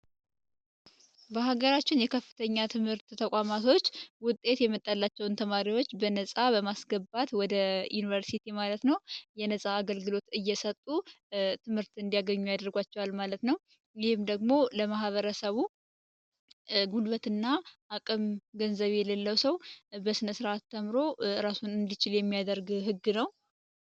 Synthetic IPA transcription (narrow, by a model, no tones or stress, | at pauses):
bəɦaɡəɾat͡ʃːɪnjɛkʰəfːɨ̥t̪ʰəɲːat̪ʰɨmhɨɾt̪t̪ʰəkʼamat̪ʰo̞t͡ʃːwʊt̪ʼːe̞t̪jɛmːət̪ʼːəlːat͡ʃːɛwnt̪ʰəmaɾiwo̞t͡ʃːbənəsʼabəmasɡəbat̪wɔd̪əjunivəɾsit̪ʰimalət̪nəwjɛnəsʼaːɡəlɡɨlo̞t̪ɨjːɛsət̪ʼːu | t̪ʰɨmhɨɾt̪ɨnd̪ijaɡəɲːujad̪ɾɡʷat͡ʃːɛwalmalət̪nəw | jɪhɨmd̪əɡmo̞ləmahβəɾəsəβu | ɡulβət̪ɨnːaʔakʼɨmɡənzəβjɛləlːəwsəwbəsɨnəsɨɾʔat̪ːəmɾo̞ɾasunɨnd̪it͡ʃɪljɛmːijad̪əɾɡɦɨɡːɨnəw